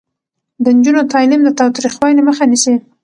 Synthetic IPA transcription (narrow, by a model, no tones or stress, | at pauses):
d̪ənd͡ʒunot̪ɑlimd̪ət̪ɑwt̪ɾixwɑleməxanisi